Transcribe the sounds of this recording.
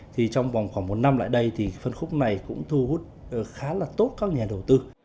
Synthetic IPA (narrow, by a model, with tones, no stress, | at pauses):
t̪ʰi˨˩t͡ɕɔ˧wŋ͡mvwŋ͡mxwaː˧˩ŋmo˨˩t̚na˧mla̰ː˧˨jɗə˧jt̪ʰi˨˩fə˧nxʊ˦˥k͡p̚na˨˩jkʊ̰˧˥ŋ͡mt̪ʰu˧hu˦˥t̚ːxaː˨˦laː˨˩t̪o˦˥t̚kaː˦˥k̚ɲaː˨˩ɗə˨˩wt̪ɨ˧